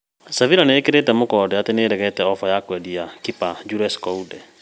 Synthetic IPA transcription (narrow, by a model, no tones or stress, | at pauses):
saviɾaneekeɾetɛmokɔːdɛateneːɾɛɣɛtɛɔfɔjakwɛdiakipad͡ʒuɾɛskɔudɛ